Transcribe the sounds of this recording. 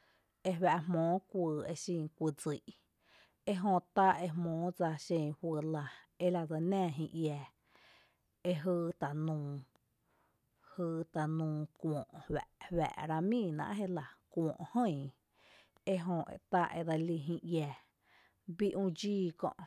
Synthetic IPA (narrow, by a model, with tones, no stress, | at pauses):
e˧wæ˧ʔhmɔ̃ː˨˦kʷɨː˧e˧ʃĩ˧˨kʷɨ˧˨d͡zɨ˨ʔ | e˦ɦõ˧t̪a˦e˧mɔ̃ː˨˦d͡za˧ʃẽ˧˨hwɨ˧˨la˧e˦la˧d͡za˧nɛ̃ː˦˧˨ɦĩ˧ʔjɛ˧ | e˧ɦɨː˧t̪a˨nũː˧˨ | hɨː˧t̪a˨nũː˧kʷɔ̃ː˨ʔhwæ̰˨ʔhwæ̰˨ʔɾa˧mĩː˦˧˨nã̰˧ʔɦe˦la˨kʷɔ̃ː˨ʔhə̃˦˧˨ | e˦ɦõ˧ʔḛ˧t̪a˦ʔḛ˧d̪a˧li˧ɦĩ˧jɛ˧ | bi˦ʔũ˧d͡ʒiː˦kɔ̰̃˧ʔ